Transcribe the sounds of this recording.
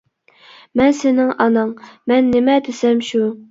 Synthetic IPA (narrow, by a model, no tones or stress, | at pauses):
mɛnsɪnɪŋɑnɑŋmɛnːɪmɛd̪ɪsɛmʃu